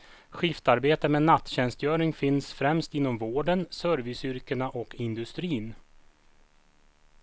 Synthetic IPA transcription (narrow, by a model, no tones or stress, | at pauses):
ɧɪft̪aɾbeːt̪əmeːnat̪ːɕɛnst̪jœːɾɪŋfɪnsfɾɛmst̪ɪnːɔmvoːɖənsœɾvɪsʏɾkəɳaʔɔkʰɪnd̪ɵst̪ɾiːn